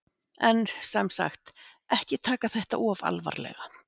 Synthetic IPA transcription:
ɛnsɛmsa̰xt̪ɛhcɪt̪ʰaːkaθɛht̪a̰ʔɔva̰lva̰ɾlɛ̰ɣa

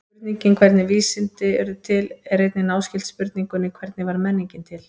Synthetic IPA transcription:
pʏɾt̪niɲcɪnkʰv̥ɛɾt̪nɪviːsɪnt̪ɪɛɾðʏt̪ʰɪlɛɾejt̪nɪnaːwscɪlt̪spʏɾt̪niŋkʏnɪkʰvɛɾt̪nɪvaɾmɛnːiɲcɪnt̪ʰɪl

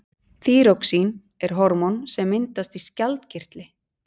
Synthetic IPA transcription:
θiːɾowksin | ɛɾ̥ɦɔɾmɔnsɛmːɪnt̪ast̪iscalt̪cɪr̥t̪lɪ

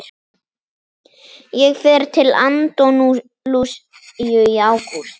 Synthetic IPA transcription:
jɛɣfɛɾt̪ʰɪla̰nt̪ɔnu | lus | jʏjawkuɾ̥

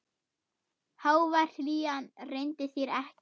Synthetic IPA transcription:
haːwvar̥liːanrejnt̪ɪθjɛɾɛhc

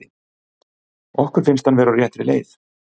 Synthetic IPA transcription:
ɪ | ɔhkʏɾ̥fɪnst̪hanvɛːɾawrjɛht̪ɾɪleːjθ

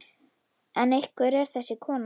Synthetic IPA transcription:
ɛnejhkvɛɾɛɾ̥θɛsːɪkʰɔːn

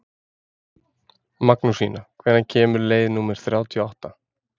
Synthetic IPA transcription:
maknusiːnakʰv̥ɛːɾðancʰɛːmʏɾleːjðnuːmɛɾ̥θɾjaːwt̪ʰiɔawht̪a

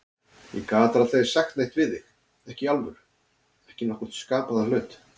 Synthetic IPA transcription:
ḭkaːt̪ɾaθej̥saxt̪nejht̪vɪðɪx | ɛhcɪalvʏɾ̥ | ɛhcɪnɔhkʏ̥t̪skaːpaðalœːɥt̪

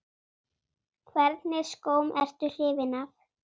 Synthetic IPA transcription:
kʰvɛɾt̪nɪɾ̥skoːwmɛr̥t̪ʏl̥ɪːvɪnaf

